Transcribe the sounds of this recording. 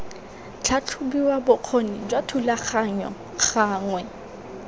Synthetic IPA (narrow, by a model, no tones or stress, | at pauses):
t͡ɬʰat͡ɬʰubiwabʊq͡χʰonid͡ʒwatʰulaχaɲɔ̰ | χaːŋwɛ